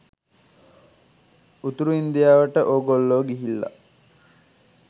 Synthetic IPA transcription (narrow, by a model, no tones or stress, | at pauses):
ut̪uɾuind̪ijaːʋəʈəʔoːɡolːoːɡiɦilːa̰